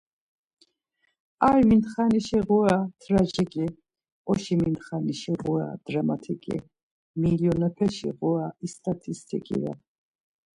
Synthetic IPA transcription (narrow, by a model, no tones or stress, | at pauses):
ajmind̪χaniʃiʁuat̪ʰɾad͡ʒikʼi | ɔʃiminχaniʃiʁua̰d̪̥ɾamat̪ʰikʼḭ | miljɔnɛpʰɛʃḭʁuaist̪ʼat̪ʰist̪ʰḭkʼḭvɛ̰